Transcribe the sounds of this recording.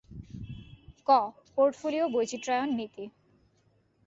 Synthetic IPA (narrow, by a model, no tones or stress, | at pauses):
kɔ | poɾʈfoliobojt͡ɕiʈɾajonːit̪i